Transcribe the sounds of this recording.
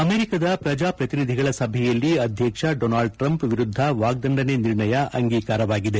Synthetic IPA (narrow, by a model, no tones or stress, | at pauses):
ɐmeːɾikɐd̪ɐpɾɐd͡ʒaːpɾɐt̪inid̪ʱiɡɐɭɐsɐbʱɛjɐlːiɐd̪ʱjɐkʂɐɖoːnaːɭɖ̚ʈɾɐmpʋiɾud̪ʱːɐʋaːɡ̚d̪ɐɳɖɐneniɾɳɐjɐʔɐŋɡiːkaːɾɐʋaːɡid̪e̞